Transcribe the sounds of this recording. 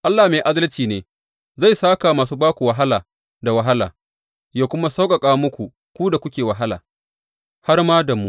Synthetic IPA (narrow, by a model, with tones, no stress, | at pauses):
ʔa˦lːaː˨meː˨ʔa˦dɐ˦lt͡ʃiː˨neː˨ | za˦˨jsaː˦ka˨maː˨suː˦baː˦kʷu˨wɐ˨˦ɦa˦laː˨ | da˨wɐ˦ɦa˦la̰ː˨ | jaː˦kʷʊ˦ma˦sa˦wkʼa˨kʼaː˦wmʊ˦kʷu˨ | kʷu˦da˨kʷʊ˦kʲeː˨wɐ˨ɦa˦la̰ː˨ | ha˦rmaː˦da˨mṵ˦